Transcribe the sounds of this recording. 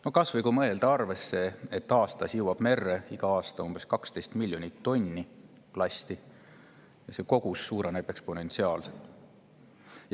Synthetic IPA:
no̞kɑsvɤjɡumɤe̞ld̪̥ɑɑrve̞sːe̞ːt̪ːɑːst̪ɑsiwwɑb̥me̞rːeiɡ̥ɑɑːst̪ɑumbe̞skɑkst̪e̞jst̪milʲjo̞nʲit̪ːo̞nʲːi | plɑst̪i | jɑse̞ko̞ɡ̥usːuːɾenebe̞kspo̞ne̞nt̪siɑːlset̪ːˑ | j

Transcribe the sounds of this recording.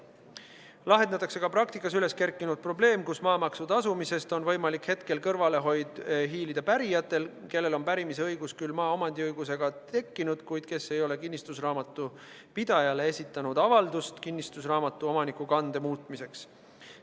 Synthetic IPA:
lɑɦenet̪ːˑɑkse̞kɑprɑk̚t̪ikːˑɑsyle̞ske̞rkːˑinud̪̥̚pro̞ble̞ːmkusmɑːmɑksud̪ɑsumise̞st̪o̞nvɤ̞jmɑlikhe̞t̪ke̞lkɤrvɑle̞ɦo̞jd̪̥ɦiːlid̪̥ɑpæɾijɑt̪ːˑe̞lke̞lːe̞lo̞npæɾimiseɤjɡ̥uskylːmɑːomɑnd̪̥ʲiɤjɡ̥use̞ɡ̥ɑt̪e̞kːinud̪̥kujd̪̥̚ke̞sːe̞jo̞le̞kinʲːist̪usrɑːmɑt̪ːˑu | pid̪̥ɑjɑleesʲit̪ːˑɑnud̪̥ɑvɑld̪ust̪kinʲːist̪usrɑːmɑt̪ˑːuo̞mɑnikˑukɑnd̪e̞muːt̪ˑmise̞ks

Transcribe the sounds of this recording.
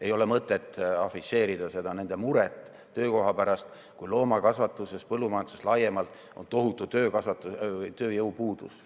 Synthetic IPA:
e̞jo̞lemɤt̪ːˑe̞t̪ːˑɑfise̞ːɾid̪̥ɑse̞d̪̥ɑne̞nd̪̥e̞muɾet̪ˑː | ø̞ːko̞ɦɑpæɾɑst̪ | kujlo̞ːmɑkɑsvɑt̪ːˑuse̞spɤlːumɑjɑnsuslɑje̞mɑlt̪ˑ | o̞nt̪o̞ɦut̪ːˑut̪øːkɑsvɑt̪ːˑut̪ø̞ːjɤwpuːd̪̥us

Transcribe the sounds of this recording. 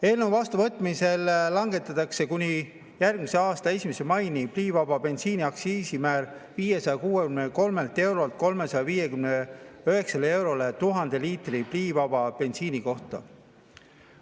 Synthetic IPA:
e̞ːlnewvɑst̪uvɤt̪ːˑmise̞lːɑŋɡ̥e̞t̪ːˑɑt̪ːˑɑkse̞kunʲi | jærɡ̥̚mise̞ɑːst̪ɑe̞sʲimese̞mɑjnipliːvɑbɑpe̞nsiːnʲiɑksiːsimæːrviːje̞sɑjɑkuːekymneko̞lme̞lt̪ˑe̞wɾo̞lt̪̚ko̞lme̞sɑjɑviːje̞kymneøɦe̞ksɑlee̞wɾo̞let̪uɦɑnd̪̥e̞liːt̪ˑripliːvɑbɑpe̞nsiːnʲiko̞ht̪ɑ̰

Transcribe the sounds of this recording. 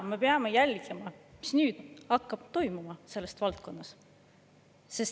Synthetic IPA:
me̞peɑme̞jælʲɡ̥emɑmi̥snyːd̪̥ɑkːɑb̥̚t̪o̞jmumɑse̞lːest̪vɑlt̪̚ko̞nːɑs | se̞s

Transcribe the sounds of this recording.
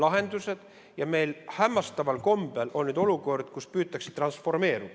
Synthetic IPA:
lɑɦe̞nd̪̥use̞d̪̥ | jɑme̞jlhæmːɑst̪ɑvɑlko̞mb̥elʔo̞nnyːd̪̥o̞luko̞rd̪̥kuspyːt̪ːˑɑksi̥t̪ːrɑnsfo̞rme̞ːɾud̪̥

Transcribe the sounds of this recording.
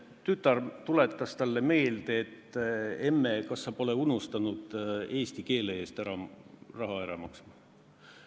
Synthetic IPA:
t̪yt̪ːˑɑrt̪ule̞t̪ːˑɑst̪ɑlːe̞me̞ːld̪eːt̪ːemːekɑsːɑpo̞le̞unust̪ɑnud̪̥e̞ːst̪ike̞ːleeːst̪æɾɑrɑɦɑæɾɑmɑksmɑ

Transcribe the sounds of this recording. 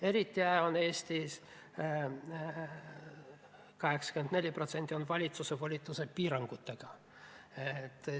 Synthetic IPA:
e̞ɾit̪ʲˑːiæjone̞ːsʲt̪is | kɑɦeksɑ̥kymend̪ne̞lʲːipro̞t̪se̞nt̪ʲːio̞nvɑlʲit̪susevolʲit̪ːˑusepiːɾɑŋɡ̥ut̪ːeɡ̥ɑ | et̪ː

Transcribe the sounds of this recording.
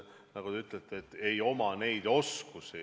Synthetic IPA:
nɑɡ̥ud̪e̞yt̪ˑlet̪ːˑeːt̪ːe̞jo̞mɑne̞jd̪̥o̞skusi

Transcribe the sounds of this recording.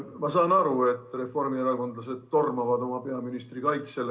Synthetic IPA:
mɑsɑːnɑɾue̞t̪ːˑre̞fo̞rmieɾɑko̞nd̪lɑse̞d̪̥̚ːo̞rmɑvɑd̪o̞mɑpe̞ɑminist̪rikɑjt̪se̞lː

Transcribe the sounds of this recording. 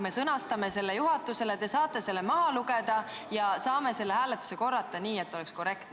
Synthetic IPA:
me̞sɤnɑst̪ɑme̞se̞lːejuɦɑt̪ːˑuselet̪esɑːt̪ːˑe̞se̞lːemɑɦɑluɡe̞d̪ɑ | jɑsɑːme̞se̞lːehæːlet̪ːˑu̥se̞ko̞rːɑt̪ːˑɑniːe̞t̪ːˑo̞lɛksko̞re̞kt̪

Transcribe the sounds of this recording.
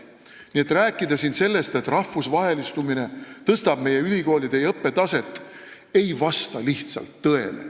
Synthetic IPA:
nie̞t̪ræːkːˑid̪̥ɑsinse̞lːe̞st̪e̞t̪rɑfːusvɑɦe̞list̪umine̞t̪ɤst̪ɑb̥me̞je̞ylʲiko̞ːlid̪ejɤpːe̞t̪ɑse̞t̪ːˑ | e̞jvɑst̪ɑliht̪sɑ̰lt̪ːɤe̞̰lḛ

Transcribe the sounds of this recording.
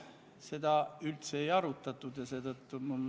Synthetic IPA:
se̞d̪̥ɑylt̪seːjɑɾut̪ːˑɑt̪ːˑud̪̥jɑse̞ːd̪ɤt̪ːumul

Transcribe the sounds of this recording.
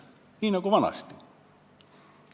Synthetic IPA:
inɑkuʋɑnɑ̰st̪i̥

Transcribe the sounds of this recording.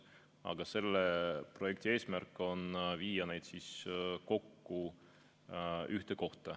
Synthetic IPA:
ɑ̰ɡ̥ɑse̞lːepro̞je̞kt̪ie̞ːsmærkːˑo̞nviːjɑne̞jd̪̥siːsko̞kːu | yht̪e̞ko̞ht̪ˑɑ

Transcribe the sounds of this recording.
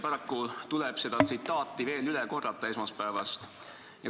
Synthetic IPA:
pɑɾɑkːut̪ulɛb̥se̞d̪̥ɑt̪sit̪ːɑːt̪ːˑive̞ːlylɛko̞rːɑt̪ːˑɑesmɑspævɑst̪ | jɑ

